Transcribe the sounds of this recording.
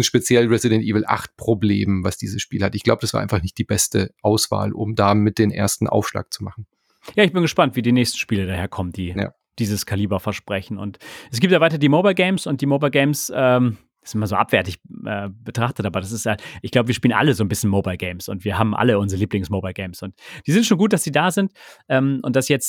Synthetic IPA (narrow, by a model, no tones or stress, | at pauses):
ɪnʃpet͡sjɛlʁɛzidɛntʔiːvl̩ʔa̰χt̚pʁ̥oblḛːmvasd̥ḭːzəsʃpiːlhatɪçɡ̥laʊbədasa̰ɐʔaɪnfaχnɪçt̚d̥iːbɛstəʔaʊsv̥a̰ːlʔʊ̰mdaːmɪt̚d̥eːnʔḛːɐstn̩ʔa̰ʊfʃla̰ːk̚t͡sumaχn̩ | jaːɪçb̥ɪnɡəʃpantv̥iːdiːnɛːçstn̩ʃpiːlədaːheːɐkʰɔmənd̥iːja̰ | d̥iːzəskʰaliːbɐfɛɐʃpʁ̥ɛçn̩ʊ̰ntʔɛs̬ɡ̥iːptaːvaɪtɐdiːmobaɪlɡeɪmsʊnt̚d̥iːmoːbaɪlɡeɪmsʔɛːm̥ | sɪmɐnzoːʔa̰pv̥ɛɐtɪçʔɛ̰ːb̥ətʁ̥aχtətaːbɐɾasɪsthatʔɪçɡ̥laʊbəviːpiːlənʔa̰ləzoːnbɪsçn̩moːbaɪlɡeɪmsʊ̰ntv̥iːɐɦaːbm̩ʔa̰ləʊnzʁəliːplɪŋsmoːbaɪlɡeɪmsʊntd̥iːzɪntʃoːnɡuːt̚d̥asd̥iːdaːzɪntʔɛːmʔʊ̰ntd̥asjɛt͡st